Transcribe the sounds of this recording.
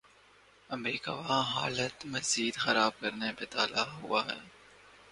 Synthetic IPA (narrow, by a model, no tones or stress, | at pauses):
ɐmɾiːka̰ʋaɦa̰ːlət̪mɐziːd̪xɐɾaːb̚kɐɾnepet̪aːlaɦʊaɦɛ̰ː